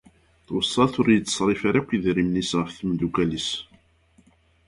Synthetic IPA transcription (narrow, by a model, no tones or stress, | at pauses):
θwəsˤːɑθʊɾjət͡sːə̥sˤɾˤɪfaɾækʷːiðɾimnisʁəfθmd̪ukælis